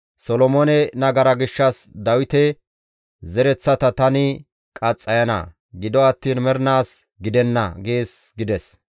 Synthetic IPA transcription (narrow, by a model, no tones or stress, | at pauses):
sɔlɔmoːnɛnɐɡɐɾɐɡɪʃːɐsd̪ɐwɪt̪ɛ | zɛɾɛt͡sːɐt̪ɐt̪ɐnɪ | kʼɐt͡sʼːɐjɐnɐ̰ | ɡɪd̪ɔɐt̪ːiːnmɛɾnaːs | ɡɪd̪ɛnːɐ̰ɡe̞ːsɡɪd̪ɛs